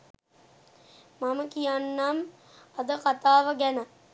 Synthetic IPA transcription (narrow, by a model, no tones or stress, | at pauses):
maməkijanːam | ɐd̪əkat̪aːʋəɡænə